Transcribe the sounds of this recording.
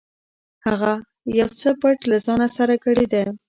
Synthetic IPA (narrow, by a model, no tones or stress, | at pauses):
haɣa | jawt͡səpaʈlazɑnasaɾakəɽed̪a